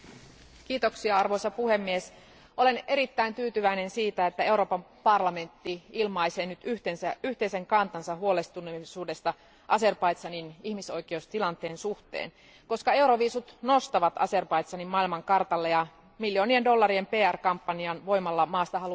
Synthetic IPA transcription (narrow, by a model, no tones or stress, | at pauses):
kiːt̪oksiɑɑrʋo̞jsɑpuhe̞mːies | ʔo̞le̞neɾit̪ːæint̪yːt̪yʋæine̞nsiːt̪æet̪ːæe̞uɾo̞ːpɑmpɑrlɑme̞nt̪ːiilmɑijse̞ːnyt̪yht̪ensæyht̪eise̞ŋkɑnt̪ɑnsɑɦuo̞le̞st̪unesuːde̞st̪ɑ | ʔɑse̞rpɑjt̪sɑninihmiso̞jk̟eoust̪ilɑnt̪e̞ːnsuht̪ḛːn | ko̞skɑe̞uɾoʋiːsut̪no̞st̪ɑʋɑt̪ɑ̰se̞rpɑit̪sɑnimmɑilmɑŋkɑrt̪ɑlːejɑ | miljioːniendo̞lːɑɾiempe̞ːærkɑmpːɑniɑnʋo̞imɑlːɑmɑːst̪ɑɦɑlu